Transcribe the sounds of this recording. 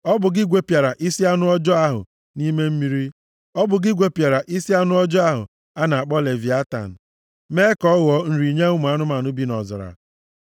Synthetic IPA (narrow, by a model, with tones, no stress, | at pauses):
ɔ˦bʊ˨ɡɪ˦ɡʷe˨pja˨ɾa˨ʔi˦si˦a˦nʊ˦ɔ˦d͡ʒɔ˦a˦ɦʊ̰˨ | ni˦me˦m̩˦mi˦ɾi˦ | ɔ˦bʊ˨ɡɪ˦ɡʷe˨pja˨ɾa˨ʔi˦si˦a˦nʊ˦ɔ˦d͡ʒɔ˦a˦ɦʊ̰˨ | a˦na˨a˨k͡pɔ˦le˨vi˨a˦ta̰˨n̩˨ | me˦kɔ˦ɣɔ˨n̩˨ɾi˨ɲe˦ʊ˦m˨a˦nʊ˦ma˨nʊ˦bi˦nɔ˨zɔ̰˨ɾa̰˨